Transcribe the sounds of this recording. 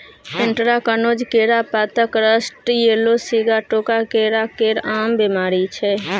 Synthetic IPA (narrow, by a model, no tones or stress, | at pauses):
eɳʈɾakənod͡ʒkeɾapat̪əkɾəsʈjelosiɡaʈokakeɾakeɾambemaːɾit͡ʃʰɛ